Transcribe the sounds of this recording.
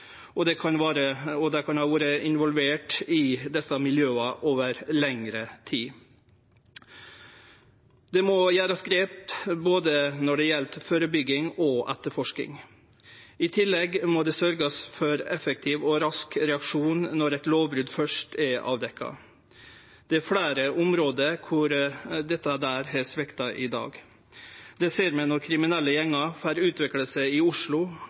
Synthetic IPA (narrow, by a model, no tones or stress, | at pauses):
ʔɔd̪ɛkʰɑnʋɑːɾəɔd̪ɑkʰɑnhɑːʋuːɾəɪnʋɔlʋeːʈɪd̪ɛsəmɪljøːɑʔoːʋəɾlɛŋɾət̪ʰiː | d̪̥ɛmɔjæːɾɑskɾeːp̚t̪boːd̪ənɔɖɛjɛlt̪føːɾəbʏɡːɪŋɔʔɛt̪əɾfɔʂkɪ̰ŋ | ɪt̪ʰɪlːɛɡmɔd̪ɛsœɾɡəsfɔɾɛfək̚t̪ʰɪːʋɔɾɑskɾɛɑkʂuːnnɔɾɛɪt̪loːʋbɾʉd̪fœʂʈɛɑ̰ːʋd̪ɛkːɑ̰ | d̪̥ɛæɾfɽæːɾəʔʊmɾoːd̪əɾkʰʊɾd̪ɛt̪ːɑd̪æːɾhɛsʋɛkt̪ɑʔɪd̪ɑ̰ːɡ | d̪ɛseːɾmɛnɔɾkʰɾɪmɪnɛlːəjɛŋːɑfæːɾʉːt̪ʰʋɪkləsəɪʊʂɭʊ